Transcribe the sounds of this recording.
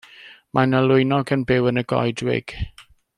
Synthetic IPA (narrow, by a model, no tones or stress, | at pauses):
mʔanəlʊjnɔɡənbɪwənəɡɔ̰jdwɪ̰ɡ̥